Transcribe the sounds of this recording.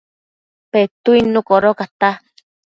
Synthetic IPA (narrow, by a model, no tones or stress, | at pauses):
pet̪uinũkoɾokat̪a